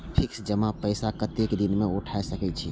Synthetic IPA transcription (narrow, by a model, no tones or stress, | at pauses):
pʰiksd͡ʒəmapəɪsakət̪ekd̪inmeuʈʰaesəkɛt͡ʃʰi